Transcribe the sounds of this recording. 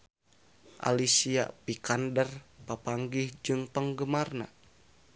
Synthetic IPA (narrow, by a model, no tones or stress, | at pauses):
ʔa̰lisia̰pikandərpapaŋɡɪhd͡ʒɨŋpəŋɡəmarna̰